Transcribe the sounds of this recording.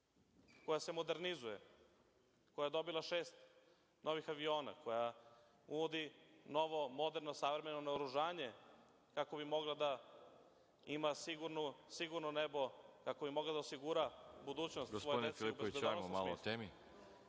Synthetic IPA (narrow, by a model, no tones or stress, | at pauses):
ko̞jase̞mo̞d̪e̞ɾnizuje | ko̞jajed̪o̞bilˠaʃeːst̪ | nʔo̞ʋixaʋio̞ːna̰ko̞ja | unod̪ino̞ʋo̞mo̞d̪e̞ɾnosaʋɾeme̞nonaoɾuʒaːɲe̞ | kako̞bimo̞ɡlˠad̪a | imasiɡuɾnusiɡuɾnonebo̞kako̞bimo̞ɡlad̪aosiɡuɾabud̪uːt͡ɕnost̪ɡosojodinefiliubeoziɡodamomalˠo̰t̪eːmi